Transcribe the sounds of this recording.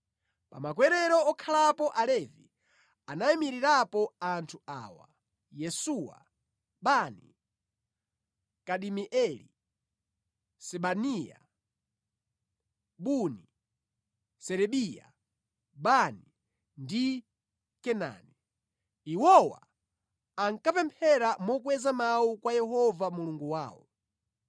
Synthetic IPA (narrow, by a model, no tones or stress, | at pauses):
pamakwɛɾɛɾɔɔkʰalapɔʔalɛvi | anaimiɾiɾapɔantʰua̰ːwa̰ | jɛsuwa̰ | ɓani | kaɗimiʔɛlḭ | sɛɓanija̰ | ɓuni | sɛɾɛɓija̰ | ɓani | ndi | kɛna̰nɛ | iwɔwa̰ | aŋkapɛmpʰɛɾamɔk̬wɛzamawukwajɛhɔvamuluŋɡuwaːwɔ